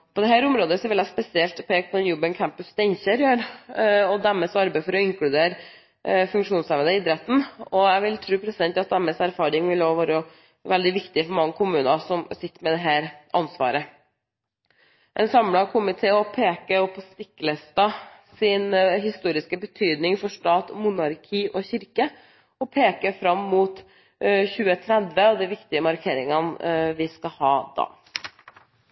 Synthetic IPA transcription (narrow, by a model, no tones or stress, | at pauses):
pʰɔd̪ɛɦæːɾʊmɾoːd̪əsɔʋɪlæspɛsɪɛlt̪pʰeːk̚t̪ʰɔɛnjʉbənkʰæmpʉst̪ɛɪnçəɾjøːɾɔd̪æmɛsɑɾbæɪfɔɾɔɪŋklʉd̪eːɾ | fʉŋkʂuːnsɛʋənəɪd̪ɾɛt̪ːn̩ɔjæʋɪlt̪ʰɾʉːpʰɾɛsɪd̪ɛnt̪ɑt̪d̪æmːɛsæɾfɑːɾɪŋʋɪloːʋɑːɾə | ʋɛld̪ɪʋɪkt̪ɪfɔɾmɑŋːəkʰʊmʉːnɑsɔmsɪt̪ːəɾmɛd̪ɛɦæːɾʔɑ̰nsʋɑ̰ːɾə | ʔɛnsɑmlɑkʰʊmɪt̪ʰeːɔpʰeːkəɔpʰɔst̪ɪkːlɛst̪ɑsɪnɦɪst̪uːɾɪskəbət̪ʰyːd̪nɪŋfɔʂt̪ɑːt̪mʊnɑɾkʰiːʔɔçɪɾkə | ɔpʰeːkəfɾɑmːuːt̪ | çʉːət̪ʰɾɛd̪ʋəɑd̪ɛʋɪkt̪ɪəmɑɾkʰeːɾɪŋənʋɪskɑhɑːd̪ɑ̰ː